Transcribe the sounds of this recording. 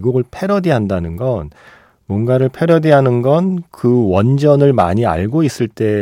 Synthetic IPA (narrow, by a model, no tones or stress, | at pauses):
ɡoɡɯɭpʰe̞ɾʌdiɦandanɯnɡʌn | mwʌnɡaɾɯɭpʰe̞ɾʌdiɦanɯnɡʌnkɯwʌnd͡ʑʌnɯɭma̰ɲia̰ɭɡois͈ɯɭt͈e̞